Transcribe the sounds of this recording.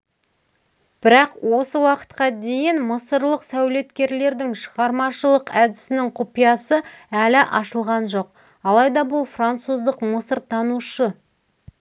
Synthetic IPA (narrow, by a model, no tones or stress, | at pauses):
b̥ɪɾɑqwo̞səwɑqə̥t̪qɑd̪e̞jɪnməsəɾlˠəqsæwle̞t̪kʲe̞ɾle̞ɾd̪ɪŋʃəʁɑɾmɑʃəlˠəqæd̪ɪsɪnɪŋqʰʊpijɑsəælɪʔɑʃəlˠʁɑnʒo̞q | ɑlˠɑjd̪ɑbʊlˠfrant̪suzd̪əqməsəɾt̪ʰɑnuʃə